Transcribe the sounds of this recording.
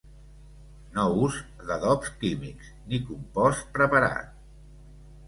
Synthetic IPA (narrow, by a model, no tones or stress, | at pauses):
nɔuz | ðəðɔpskimiksnikumpɔst̪̚pɾəpəɾa̰t̪̚